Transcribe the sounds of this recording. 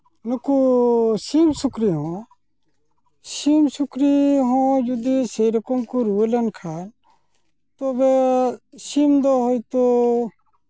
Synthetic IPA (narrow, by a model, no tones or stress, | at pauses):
nukusiːmsʊkɾiɦõː | siːmsʊkɾiɦõːjud̪isejɾəkomkuɾuelənkʰaːn | t̪oːbe | simd̪oɦoit̪o